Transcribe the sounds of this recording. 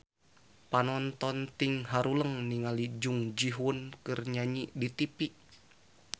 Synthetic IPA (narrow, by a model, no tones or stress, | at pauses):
panɔnt̪ɔnt̪iŋɦaɾuləŋniŋalid͡ʒuŋd͡ʒiɦunkɨrɲaɲiʔdit̪ipiʔ